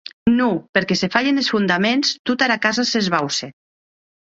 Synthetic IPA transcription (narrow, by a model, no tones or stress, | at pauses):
nupeɾkesefaʎenesfund̪amenst̪ut̪aɾakazasezβawse